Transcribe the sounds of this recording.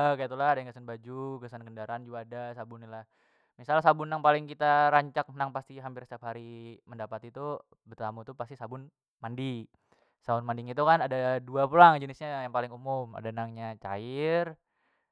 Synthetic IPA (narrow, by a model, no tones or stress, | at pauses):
əkait̪ulahadaŋkasanbad͡ʒukəsankəndaɾaːnd͡ʒuɡaːdasabʊnːilah | misalsabʊnːaŋpalɪŋkit̪aɾaɲt͡ʃak̚naŋpast̪iɦampɪrst̪iap̚ɦaɾiməndapat̪it̪u | bərt̪amut̪upast̪isabʊn | mandi | sabʊnmandiŋit̪ukanadaduapulaŋd͡ʒənɪsɲajaŋpalɪŋumʊma̰danaŋɲat͡ʃa̰ɪr